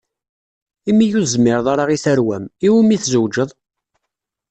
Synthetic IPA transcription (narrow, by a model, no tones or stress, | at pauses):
imːijuzmːɪɾðˤɑɾˤɑʁiθæɾwæmiwimiθzəwd͡ʒəðˤ